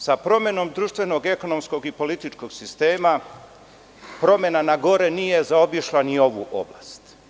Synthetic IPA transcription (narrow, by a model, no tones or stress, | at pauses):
sapɾo̞me̞no̞md̪ɾuːʃt̪ʋe̞no̞ɡe̞ko̞no̞msko̞ɡipo̞lit̪it͡ʃko̞ɡsist̪e̞ːma | pɾo̞mje̞nanaɡo̞ɾe̞nije̞zao̞biʃlˠanio̞ʋṵʔo̞̰bla̰ːst̪